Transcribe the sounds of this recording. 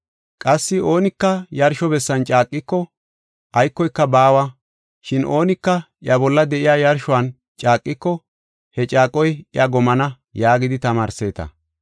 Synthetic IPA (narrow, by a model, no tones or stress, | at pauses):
kʼɐsːɪo̞ːnɪkːɐjɐɾʃɔbɛsːɐnt͡ʃʼaːkʼːɪkːɔ | ʔɐjkːɔjkːɐbaːwɐ | ʃɪnʔo̞ːnɪkːɐʔɪɐbɔlːɐd̪ɛʔɪjaːjɐɾʃʊɐn | t͡ʃʼaːkʼːɪkːɔ | hɛt͡ʃʼaːkʼːɔjɪɐɡɔmɐnɐ | jaːɡɪd̪ɪt̪ɐmaːɾse̞ːt̪ɐ̰